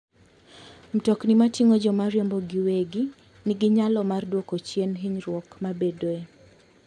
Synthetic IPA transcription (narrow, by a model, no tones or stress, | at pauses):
m̩tɔknimatiŋod͡ʒɔmaɾjɔmbɔɡiweɡi | nɪɡɪɲalɔmardwokot͡ʃjenɦiɲɾwɔkmabedoe